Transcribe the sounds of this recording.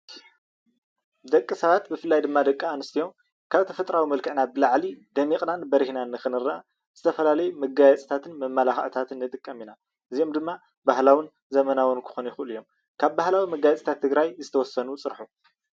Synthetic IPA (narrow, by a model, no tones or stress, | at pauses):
d̪ɐkʼːɨsɐβat̪bɨfɨlːajd̪ɨmːad̪ɐkʼːaanɨst̪ʰijo̞m | kʰaβt̪ʰɐfɐt̪ʼɾawimɐlkʰɨʕnabɨlaʕlid̪ɐmiχʼnanbɐɾihnanːɨxɨnɨɾa | z̥ɨt̪ʰɐfɐlalɐjumɐɡajɛt͡sʼt̪ʰat̪ʰɨnmɐmːalaxʕt̪ʰat̪ʰɨnːɨt̪ʼɨkʼːɐmina | ʔɨzijo̞md̪ɨmːa | bahlawin | zɐmɐnawɨnkʰɨ̥xo̞nujɪxɨʔɨlɨjo̞m | kʰaβbahlawimɐɡajɛt͡sʼt̪ʰat̪ʰːɨɡɾajzɨt̪ʰɐwɔsːɐnut͡sʼɨɾħu